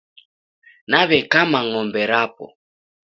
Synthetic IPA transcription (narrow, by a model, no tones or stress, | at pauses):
naβɛkamaŋɔmbɛɾapɔ̰